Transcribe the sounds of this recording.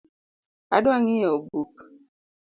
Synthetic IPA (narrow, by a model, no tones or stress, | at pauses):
a̰doaŋiobuk